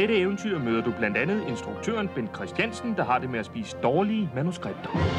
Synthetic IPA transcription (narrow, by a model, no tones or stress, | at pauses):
d̥eɾəeʊn̩t͡sʰyɐ̰møːðˠɐd̥ub̥læn̰d̥ænð̞̩ˠe̝nsd̥ʁuɡ̥̚t͡sʰø̰ɐnb̥end̥̚kʰʁɛsd̥jænsn̩d̥ɑ̈ɦɑ̈d̥e̝meæsb̥ḭːsə̥d̥ɒːliəəmænusɡ̥ʁab̥̚d̥ɐ̥